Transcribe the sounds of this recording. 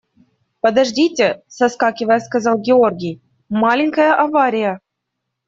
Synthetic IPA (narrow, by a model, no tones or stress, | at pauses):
pəd̪aʐdʲitʲesɐskɑkʲɪvəjəskazɑlˠɡʲɪorɡʲij | mɑlʲɪnʲkəjəʔavaɾʲijə